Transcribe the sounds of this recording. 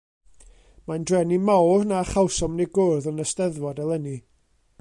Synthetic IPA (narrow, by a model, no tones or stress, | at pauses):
mandrɛnimawrnaχawsɔmneɡʊrðənəstɛðvɔdɛlˠəni